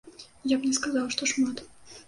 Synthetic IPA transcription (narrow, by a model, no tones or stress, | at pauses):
japnʲɛskazawʂt̪ɔʂmat̪